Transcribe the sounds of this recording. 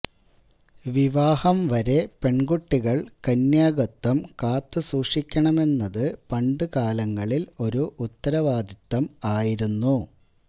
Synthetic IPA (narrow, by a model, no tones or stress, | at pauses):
ʋiʋaːhɐmʋɐɾe̞pe̞ɳɡuʈːiɣɐɭkɐnjaːɡɐt̪ːɐmkaːt̪ːɨsuːʂikʲːɐɳɐme̞nːɐðɨpɐɳɖɨkaːlɐŋːɐɭilo̞ɾuʔut̪ːɐɾɐʋaːd̪ʱit̪ːɐmaːjiɾunːu